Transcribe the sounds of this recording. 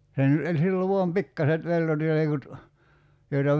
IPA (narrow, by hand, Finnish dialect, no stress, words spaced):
sen e silː o ʋoɑm pikːɑset peltotilekut joitɑ